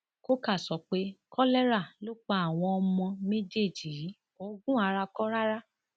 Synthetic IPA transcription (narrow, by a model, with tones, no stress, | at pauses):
ko˦ka˦˨sɔ˨k͡pe˦kʰɔ˦lɛ˦ɾa˦˨lo˦k͡pa˧˦a˦˨w̃ɔ̃˧ɔ˧mɔ̃˧me˦d͡ʒe˦˨d͡ʒi˨ɾi˨˦ | o˨˦ɡũ˦a˧ɾa˧kɔ˦ɾa˦ɾa˦